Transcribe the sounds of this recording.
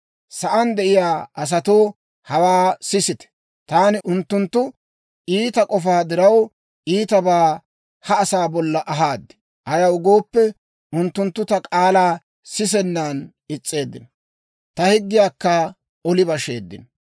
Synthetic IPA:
sɐʔɐnd̪ɛʔɪjaːʔɐs̬ɐt̪o̞ː | hɐwaːsɪsɪt̪ɛ̥ | t̪aːnɪʔʊnt̪ːʊnt̪ːʊ | ʔiːt̪ɐkʼɔfaːd̪ɪɾɐw | ʔiːt̪ɐbaː | hɐːsaːbɔlːɐʔɐɦaːd̪ːɛ̥ | ʔɐjɐwʊɡo̞ːpːɛ | ʔʊnt̪ːʊnt̪ːʊt̪ɐkʼaːlaː | sɪs̬ɛnːaːn | ɪt͡sʼːe̞ːd̪ːɪnɔ | t̪ɐhɪɡ̪ːɪjaːkːɐ | ɔlɪbɐʃeːd̪ːɪ̰nɔ

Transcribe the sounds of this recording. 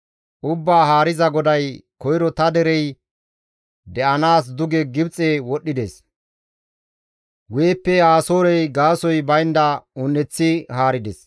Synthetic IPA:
ʔʊbːaːɦaːɾɪzɐɡɔd̪ɐjkɔjɾɔt̪ɐd̪ɛɾɛj | d̪ɛʔɐnaːs̬d̪ʊɡɛɡɪbt͡sʼewɔɗːɪd̪es | weːpːɛaːso̞ːɾɛjɡaːsɔjbɐjnd̪ɐʊnːɛt͡sːɪɦaːɾɪd̪ɛs

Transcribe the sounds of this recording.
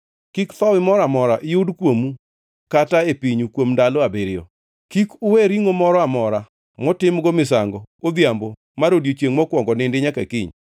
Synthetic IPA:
kikt̪ɔwɪmɔɾamɔɾaʔɪjʊdkwomu | kataepiɲukwomndalɔabeɾɪjɔ̰ | kikʊweɾiŋomɔɾɔamɔɾa | mɔtɪmɡɔmɪsaŋɡɔod̪jambo | maɾodjot͡ʃeŋmɔkwɔŋɡɔnɪndɪɲakakɪɲ

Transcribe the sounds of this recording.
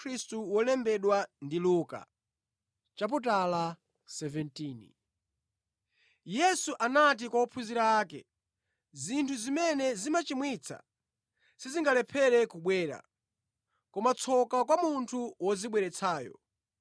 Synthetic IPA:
ɾistuwɔlɛmbɛɗwandiluka̰ | t͡ʃap̬ut̬ala | sɛvɛntiːnḭ | jɛsuʔanat̬ikwaupʰuziɾaaːkɛ̰ | zintʰuzimɛnɛzimat͡ʃimwit͡sʰa̰ | siziŋɡalɛpʰɛɾɛkuɓwɛːɾa̰ | kɔmat͡sʰɔkakwamuntʰuwɔziɓwɛɾɛt͡sʰaːjɔ̰

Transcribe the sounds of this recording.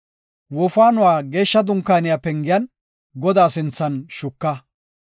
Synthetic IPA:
wɔfaːnʊwaːɡe̞ːʃːɐd̪ʊŋkːaːnɪjapɛŋɡɪjɐn | ɡɔd̪aːsɪnt͡sːɐnʃʊkːɐ

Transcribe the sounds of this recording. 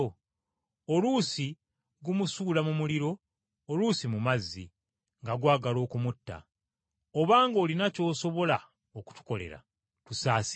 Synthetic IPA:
olusi | ɡumusuːlamumuliɾo̞ː | luːsimumazːḭ | ŋɡaɡwaːɡalo̞ːkumutːa̰ | oβaːŋɡo̞ːlinaco̞ːso̞βo̞la | oku̥tu̥ko̞le̞̰ɾa̰ | tusaːs

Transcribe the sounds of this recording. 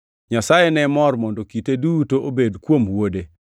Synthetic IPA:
ɲasajenɛmɔrmɔndɔkitedutoʔobedkwomwode

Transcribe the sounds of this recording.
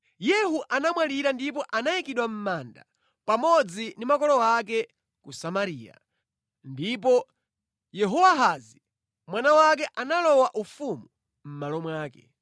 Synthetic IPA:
jɛɦuʔanamwaliɾandip̬ɔʔanajikiɗwam̩maːnda̰ | pamɔd͡zindimakɔlɔak̬ɛ | kusamaɾiːja̰ | ndip̬ɔ | jɛɦɔwaɦazi | mwanawak̬ɛʔanalɔwaʔufumu | m̩malɔmwaːkɛ̰

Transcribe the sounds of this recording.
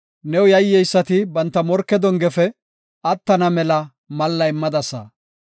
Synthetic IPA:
nɛwʊjɐjːɛjsːɐt̪ɪbɐnt̪ːɐmɔɾkːɛd̪ɔŋɡɛfɛ | ɐt̪ːɐnɐmɛlɐ | mɐlːɐɪmːɐd̪ɐsɐ̰

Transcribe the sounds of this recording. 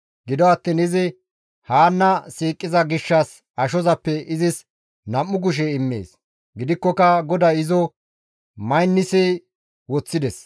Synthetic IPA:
ɡɪd̪ɔɐt̪ːiːnɪzɪ | haːnːɐsiːkʼːɪzɐɡɪʃːɐs | ɐʃɔzɐpːɛɪzɪs | nɐmːʊɡ̬ʊʃ̬ɛɪmːḛːs | ɡɪd̪ɪkːɔkɐɡɔd̪ɐɪzɔ | mɐjnːɪsɛ | wɔt͡sːɪd̪ɛs

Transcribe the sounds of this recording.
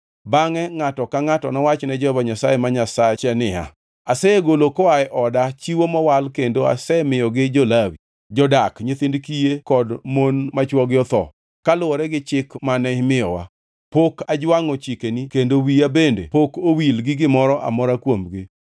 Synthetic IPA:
baŋɛŋatɔkaŋatɔnawat͡ʃnɛd͡ʒɔbaɲasajemaɲasat͡ʃɛnɪa̰ | asɛeɡolokɔaɪʔɔdat͡ʃiwomɔwalkendoa̰sɛmɪjɔɡɪd͡ʒolawi | d͡ʒɔdakɲet̪ɪndkijekɔdmonmat͡ʃwɔɡɪjɔt̪ɔ̰ | kalʊɔɾɛɡɪt͡ʃɪkmanɛɪmɪjɔwa̰ | pokad͡ʒwaŋɔt͡ʃikenikendowiabendḛpokowilɡɪɡɪmɔɾɔʔa̰mɔɾakwomɡɪ

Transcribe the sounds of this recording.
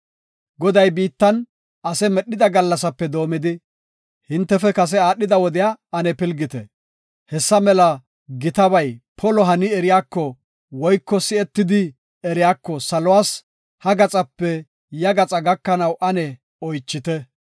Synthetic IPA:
ɡɔd̪ɐjbiːt̪ːɐn | ʔɐsɛmɛɗːɪd̪ɐɡɐlːɐsɐpːɛd̪o̞ːmɪd̪ɪ | hɪnt̪ːɛfɛkɐs̬ɛaːɗːɪd̪ɐwɔd̪ɪjaːɐnɛpɪlɡɪt̪ɛ | hɛsːɐmɛlɐ | ɡɪt̪ɐβɐjpʰɔlɔɦɐnɪɛɾɪjaːkːɔ | wɔjkːɔsɪɛt̪ːɪd̪ɪ | ɛɾɪjaːkːɔsɐlɔwaːs | hɐɡɐt͡sʼɐpːɛ | jɐɡɐt͡sʼɐɡɐkːɐnɐwʔɐnɛ | ɔjt͡ʃːɪt̪ɛ

